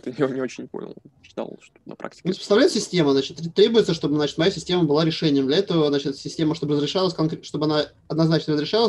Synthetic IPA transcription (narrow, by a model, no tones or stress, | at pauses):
t̪ɨnʲɪonʲɪo̞t͡ɕɪnʲpo̰nʲɪ̰lˠɕɪ̥t̪a̰lˠʂt̪onɐpɾa̰k̚tʲɪ̥sʲpə̥st̪ɐvlʲæɪt̪sʲɪsʲtʲe̞məznat͡ɕɪt̪ːʲt̪ːɾʲe̞bʊjɪt̪səʂt̪o̞bɨznat͡ɕɪt̪mɐjasʲɪsʲtʲe̞məbɨlˠaɾʲɪʂɛnʲɪjəmdlʲɛt̪əvəzat͡ɕɪt̪sʲɪsʲtʲe̞məʂt̪o̞bəɾəzɾʲɪʂalˠəsʲkɐnkɾʲʂt̪o̞bəɐna | ɐd̪nɐznat͡ɕnəɾəzɾʲɪʂɑlˠəs